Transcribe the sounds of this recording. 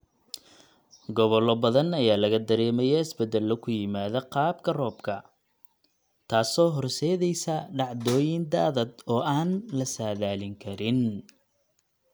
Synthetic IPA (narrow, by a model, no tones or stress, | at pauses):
ɡɔβɔlɔbɐðɐnɐjaːlɐɣɐd̪ɐɾɛːmɛjɛɪsbɛd̪ɐlːɔkʰʊjɪmaːðɐqɑːb̚kʰɐrɔːbkʰɐ | t̪ʰaːsɔːɦɔrsɛːðɛjsɐɖɑʕd̪ɔːjɪnd̪aːðɐd̪ɔːʔaːnlɐsaːðaːlɪŋkʰɐɾɪn